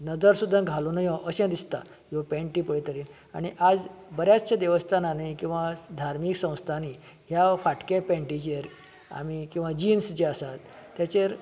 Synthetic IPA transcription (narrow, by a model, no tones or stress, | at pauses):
nəd͡zəɾsud̪ʱːãɡʱalunajɔ̃ʔəɕɛ̃d̪ist̪a̰ | opɛ̃ɳʈipəɽit̪əɾiːn | a̰ɽ̃iʔad͡zbəɾjat͡st͡ɕãd̪eʋəst̪ʰananikĩw̃ʋad̪ʱaɾmiksə̃w̃st̪ʰani | ɦjafaʈkẽpɛ̃ɳʈid͡ʑeɾ | a̰mikĩw̃ʋad͡ʑinsd͡ʑeəsat̪ːjat͡ɕeɾ